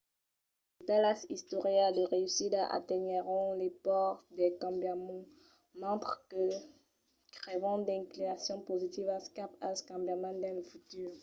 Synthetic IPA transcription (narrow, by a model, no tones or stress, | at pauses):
let̪alasist̪oʁjad̪əʁeysid̪aʔa̰t̪eɲeʁɔ̃lepɔʁt̪d̪ɛkɑ̃bjamɔ̃ | mɑ̃t̪χkə | kʁevɑ̃d̪ɛ̃klinasjɔ̃pozit̪ivaskapaskɑ̃bjamãnd̪ɛ̃lfut̪yʁ